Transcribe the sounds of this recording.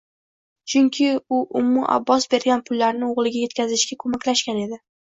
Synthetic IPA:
t͡ʃʰʊŋkʲʰɪʊʔʊmːʊʔa̰bːɒsbe̞ɾɡʲanpʰʊlːaɾnɪoʁlˠɪɡʲaje̞t̪̚kʲʰazɪʃɡʲakʰomakʲlaʃkʲane̞d̪ɪ

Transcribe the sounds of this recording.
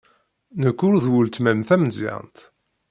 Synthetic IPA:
nəkːʊɾðwult̪mæmθæməzɪ̰ʁ̰nt̪

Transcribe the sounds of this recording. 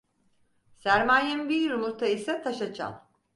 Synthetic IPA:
sæɾmaːjɛmbiɾumuɾt̪ʰaisɛt̪ʰaʃat͡ʃʰa̰lˠ

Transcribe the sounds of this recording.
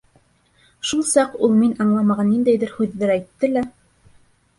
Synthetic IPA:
ʃulˠsɑqulˠminɑɴlˠɑmɑʁɑnːind̪æjðɘɾhʉðːæɾæjt̪ːɘlæ

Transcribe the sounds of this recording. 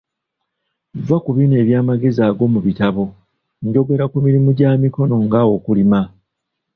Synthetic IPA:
vakuβiːne̞ːβjaːmaɡe̞zaːɡo̞muβitaβo̞ | ɲɟo̞ɡe̞ɾakumiɾimuɟaːmiko̞no̞ŋɡawo̞kulima

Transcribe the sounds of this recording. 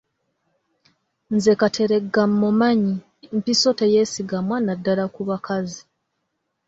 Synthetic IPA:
nzekatʰe̞ɾe̞ɡːamːumaɲi | mpiso̞te̞jesiɡamwaːnadːalakuβakʰazi

